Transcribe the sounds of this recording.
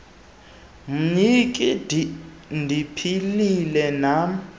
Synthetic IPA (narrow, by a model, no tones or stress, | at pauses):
m̩ɲikʼi | ndʱipʰililɛna